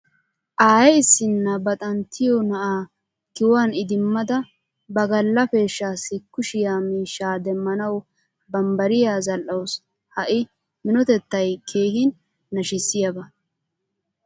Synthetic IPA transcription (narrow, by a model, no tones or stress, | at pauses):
ʔaːjɛɪsːɪnːɐbɐt̪ʼɐnt̪ʰːɪjɔnɐʔaː | kɪwaːnɪd̪ɪmːɐd̪ɐ | bɐɡɐlːɐfe̞ːʃːaːsɪkːʊʃɪjaːmiːʃːaːd̪ɛmːɐnɐw | bɐmbɐɾɪjaːzɐlʔːɐws | hɐʔɪ | mɪnɔt̪ɛt̪ːɐjkʰe̞ːhɪnː | ɐʃɪsːɪjɐbɐ